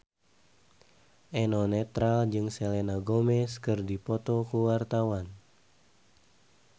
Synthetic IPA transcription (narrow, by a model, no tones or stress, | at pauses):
ʔɛnɔnɛt̪ɾald͡ʒɨŋselenaɡomɛskɨrdipɔt̪ɔkuwart̪awan